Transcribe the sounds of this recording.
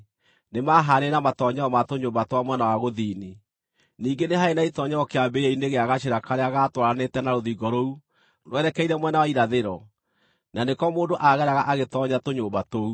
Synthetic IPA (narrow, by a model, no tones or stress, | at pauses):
nemaɦaɾenamatɔɲɛɔmatoɲoːbatwamwɛnawaɣoðiːni | niːŋɡeneɦaenaitɔɲɛɔkeabeɛineɣeaɣaʃeɾakaɾeaɣatwaɾanetɛnaɾoðiɡɔɾou | nwɛɾɛkɛiɾɛmwɛnawaiɾaðeɾɔ | nanekɔmoːndoʔaɣɛɾaɣaʔaɣetɔɲatoɲoːbatou